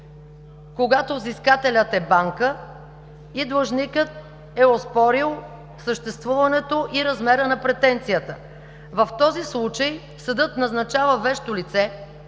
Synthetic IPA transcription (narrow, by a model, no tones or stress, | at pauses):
koɡat̪ovziskat̪ɛlʲət̪ɛbaŋkə | id̪lˠɐʒnikət̪̚ | ɛospɔɾilˠ | səʃt̪ɛst̪vuvɐnɛt̪oʔiɾɐzmɛɾənɐpɾɛt̪ɛnt̪sijət̪ə̰ | vɐft̪ɔzislˠut͡ʃəj | sɐd̪ɤt̪nɐznɐt͡ʃavəvɛʃt̪olit̪sɛ